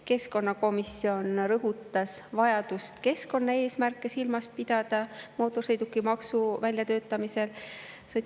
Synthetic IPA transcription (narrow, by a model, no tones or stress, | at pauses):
ke̞sko̞nːɑko̞misːio̞nɾɤɦut̪ːˑɑsvɑjɑd̪̥ust̪ke̞sko̞nːɑe̞ːsmærkːˑe̞silmɑspid̪ɑd̪̥ɑmo̞ːt̪ːˑosejd̪ukːˑimɑksuvælʲjɑt̪ø̞ːt̪ːˑɑmise̞l | so